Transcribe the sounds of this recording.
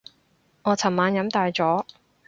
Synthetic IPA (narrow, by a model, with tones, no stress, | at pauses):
ŋɔː˨˧t͡sʰɐ˨˩mmaː˨˧njɐ˨˧˥mt̪aː˨jt͡sɔː˨˥